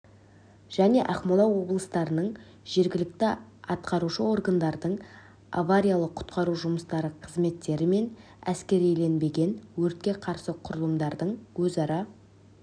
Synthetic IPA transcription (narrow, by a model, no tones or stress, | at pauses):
ʒ̥æne̞ʔɑχmolˠɑwwo̞blˠəst̪ɑɾənəɴ | ʒ̥e̞ɾɡʲɪlɪk̚t̪ɪɑt̪qɑɾuʃəo̞ɾɡand̪ɑɾd̪əɴ | a̰vaɾʲijalˠəqʰʊ̥t̪qɑɾuʒʊməst̪ɑɾəqʰəzme̞t̪ːe̞ɾɪme̞n | æskʲe̞ɾijle̞nbe̞ɡʲe̞nwɵɾt̪̚kʲe̞qʰɑɾsəqʰʊɾəlˠəmd̪ɑɾd̪əɴwɵzɑɾɑ